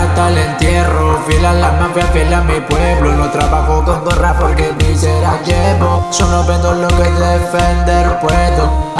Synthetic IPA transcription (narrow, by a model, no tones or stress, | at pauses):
t̪alent̪jerofilalaɾmavjafjɛlamipweβlonot̪ɾaβaxokond̪orapoɾkeβiseɾaʝeβosonoβẽnd̪olokeðefend̪eɾpweðo